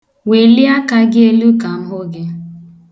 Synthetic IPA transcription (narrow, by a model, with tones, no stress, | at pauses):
we˨li˦a˦ka˦ɡɪ˦e˦lu˦ka˨m̩˦ɦo˦ɡe˦